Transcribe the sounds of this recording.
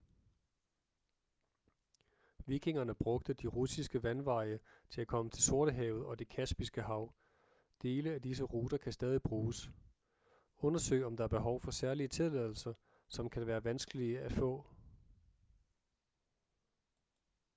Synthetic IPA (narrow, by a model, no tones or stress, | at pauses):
ʋiɡ̥ʰe̝ŋɐnəb̥ʁɔ̽ɡ̥̚d̥əd̥iʁusisɡ̥əʋænʋɑ̈ɪ̰ət͡sʰe̝lækʰɒ̽mət͡sʰe̝lso̝ɐɾ̥əɦɛːʊð̞̩ˠɒ̽d̥e̝kʰæsb̥isɡ̥əɦɑ̈ʊ | d̥e̝ːləæd̥is̬əʁuːd̥ɐkʰæsd̥ɛːð̞ˠib̥ʁuːs | ɔ̽nɐsø̰ɪɒ̽md̥ɑ̈æɐb̥e̝ɦɒ̽ʊfɒ̽sæɐliət͡sʰe̝lɛðˠl̩sɐ | sɒ̽mkʰæʋæːɐʋænsɡ̥əliəæfɔ̰̽ː